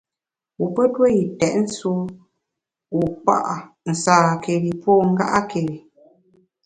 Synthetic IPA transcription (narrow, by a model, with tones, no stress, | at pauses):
wu˨pə˦twe˦ji˨tɛ˨ʔn̩˦su˦ | wu˨k͡pa̰˦˨ʔa˨ | n̩˨saː˨kʰe˨ɾi˨pɔː˦ŋ̩˦ɡa̰˦ʔa˦ke˨ɾi˨